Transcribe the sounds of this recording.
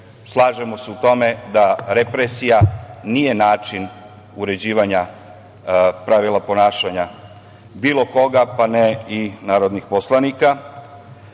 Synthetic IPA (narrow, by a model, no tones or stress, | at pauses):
slˠaːʒemo̞seut̪o̞me̞d̪aɾepɾesijanije̞naːt͡ʃin | uɾe̞d͡ʑiːʋaɲa | pɾaʋilˠapo̞naːʃaɲa | biːlˠo̞ko̞ɡapaneinaːɾod̪nixposlˠanika